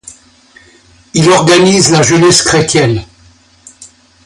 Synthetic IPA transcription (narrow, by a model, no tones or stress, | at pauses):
ilɔʁɡanizlaʒənɛskχet̪jɛn